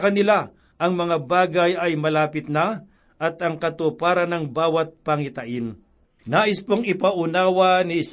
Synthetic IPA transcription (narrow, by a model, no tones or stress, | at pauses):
kɐnɪla | ʔɐŋmɐŋabaːɡɐjɐjmɐlaːpɪt̪̚na | ʔɐt̪ɐŋkɐt̪opaːɾɐnɐŋbaːwɐt̪̚pɐŋɪt̪ɐʔɪn | naːʔɪspoŋɪpɐʔʊnaːwɐnɪs